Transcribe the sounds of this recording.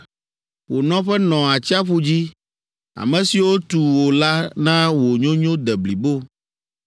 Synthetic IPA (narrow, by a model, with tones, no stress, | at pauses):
wo˨nɔ̃˦ɸɛ˦nɔ̃˨a˨t͡ɕi˦a˦ɸu˦d͡ʑi˦ | a̰˨mɛ̃˨si˨wo˦t̪u˨wo˨la˦nã˦wo˨ɲõ˦ɲõ˦d̪ɛ˨bli˨bo˦˨